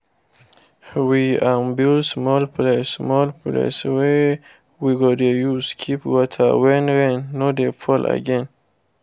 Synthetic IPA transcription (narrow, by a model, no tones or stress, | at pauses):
wiãnbilsmɔlplesmɔlplḛswɛ | wiɡodejuskʰipwɔtʰə̰wɛ̃nɹɛ̃nːodefɔlʔa̰ɡɛ̃n